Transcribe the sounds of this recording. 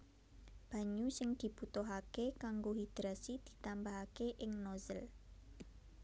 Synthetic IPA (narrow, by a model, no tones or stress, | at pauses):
b̥a̤ɲusɪŋd̪̥i̤b̥ut̪oɦakekaŋɡoɦid̪̥ɾasid̪̥i̤t̪ambaɦakeʔɪŋnɔzəl